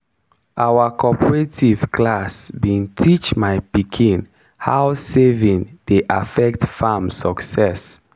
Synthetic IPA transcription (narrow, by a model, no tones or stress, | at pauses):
ʔawakʰɔpəɹetʰiv̥kʰlasbĩntʰit͡ʃmajpikʰĩn | hawsevĩŋdeʔafɛk̚tfamsɔksɛs